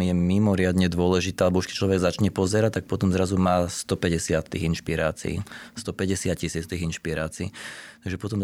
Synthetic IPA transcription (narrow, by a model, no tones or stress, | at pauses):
jɛmimɔɾɪad̪ɲɛd̪ʊɔlɛʒit̪ɛalɛbɔuʃkɛ̥c̚t͡ʃlɔʋɛɡzat͡ʃɲɛpɔzɛɾac̚t̪ːak̚pɔt̪ɔmzɾazumaːst̪ɔpɛɟɛsɪat̪t̪ːiːinʃpiɾaːt͡sḭḭst̪ɔpɛɟɛsɪat̪cisiːt͡st̪iːɣinʃpiɾaːt͡siːt̪aɡʒɛpɔt̪ɔm